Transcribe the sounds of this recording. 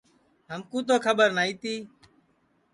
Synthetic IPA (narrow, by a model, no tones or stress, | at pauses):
ɦəmkũːt̪̬oːkʰəbəɾnaːiːt̪iː